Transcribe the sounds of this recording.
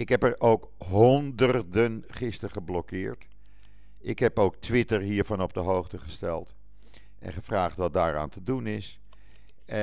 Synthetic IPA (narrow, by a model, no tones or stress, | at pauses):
ɪkɦɛpɛroːk | ɦɔndərdənχɪstərχəblɔkɪːɹt | ʔɪkɦɛpoːk̚tʰʋɪtərɦiːɹvɑnɔp̚dəɦowχtəχəstɛ̰lˠt | ʔɛ̰nχəfraːχtʋɑt̚daːɹa̰ːntədunɪs